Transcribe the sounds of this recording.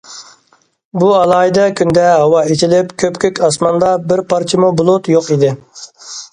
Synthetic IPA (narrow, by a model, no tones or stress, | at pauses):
buɑlˠɑːid̪ɛkʲʰynd̪ɛɦɑwɑet͡ʃʰilɪpkʲʰøpkʲʰøkʲɑsmɑnd̪ɑbɪɾpʰɑɾt͡ʃʰɪmubolˠot̪joqid̪ɪ